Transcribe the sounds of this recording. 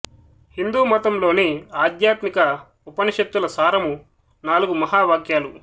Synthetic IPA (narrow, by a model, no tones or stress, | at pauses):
hind̪uːmɐt̪ɐmlo̞ːniaːd̪jaːt̪mikɐ | upɐniʃɐp̚t̪ːulɐsaːɾɐmu | naːluɡumɐɦaːʋaːkjaːlu